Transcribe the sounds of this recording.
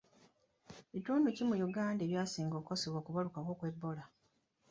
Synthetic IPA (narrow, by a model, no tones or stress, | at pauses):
itoːnducimujuɡaːnde̞ːβjaːsiːŋɡo̞ːko̞seβwoːkuβalukakwo̞ːkwe̞bːo̞la